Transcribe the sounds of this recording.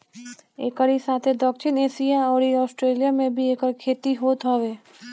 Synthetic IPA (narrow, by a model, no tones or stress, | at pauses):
eːkəɾisaːt̪ʰed̪ɔːkʃɪneːʃijaɔːɾiɔːsʈɾeːlijamẽbʱieːkəɾkʰeːt̪iɦoːt̪ɦoːʋeː